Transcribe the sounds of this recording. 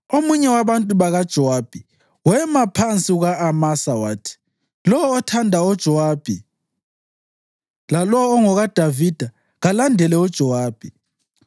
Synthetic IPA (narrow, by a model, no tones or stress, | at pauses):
omuɲɛwaβantʼuβaɣad̥ʒ̥ʱɔwab̥ʱi | wɛmapʰant͡sʼiuɣaːmasawaːtʰi̥ | lɔɔːtʰandʱaɔd̥ʒ̥ʱɔwab̥ʱi | lalɔːŋɔɣad̥ʱavid̥ʱa | ɣalandʱɛlɛɔd̥ʒ̥ʱɔwaːb̥ʱi